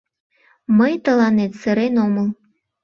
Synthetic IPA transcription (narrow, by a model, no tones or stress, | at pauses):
məjt̪əlɑnet̪səɾenoməl